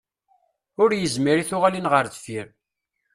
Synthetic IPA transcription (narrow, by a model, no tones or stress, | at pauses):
ʊɾjəzmiɾiθʊʁalinʁəɾθfiɾ